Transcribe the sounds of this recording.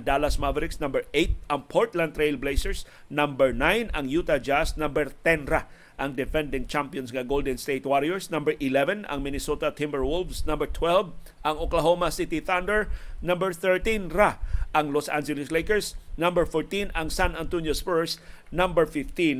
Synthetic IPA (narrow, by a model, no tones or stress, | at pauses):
d̪alasmavɛɾɪksnɐ̃mbɛɹʔejt̪̚ɐŋpʰoɹt̪lãnt̪ɹejlblejsɛɹs | nambɛɹnãjnɐŋjut̪ad͡ʒasnãmbɛɹt̪ɛnɾa | ʔɐŋd̪ɛfɛ̃nd̪ɪ̃ŋt͡ʃampjɔnsŋɐɡold̪ɛ̃nst̪ejt̪waɾiɛɹsnɐ̃mbɛɹʔɪlɛvɛ̃nɐ̰ŋmɪnɪsot̪ɐt̪ʰɪmbɛɹwʊlvsnɐ̃mbɛɹt̪ʰwɛlv | ʔɐŋoklaɦomɐsit̪iθand̪ɛɹnɐ̃mbɛɹθɛɹt̪ĩnɾaʔɐŋlosã̰nd͡ʒɛlɪslejkɛɹsnɐmbɛɹfɔɹt̪ĩnɐŋsanant̪unjospɛɹsnãmbɛɹfɪft̪ĩn